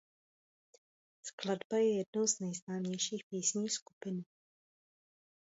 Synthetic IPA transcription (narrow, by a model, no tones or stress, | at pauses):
skladbajɛjɛdnowznɛjznaːmɲɛjʃiːxpiːsɲiːxskupɪn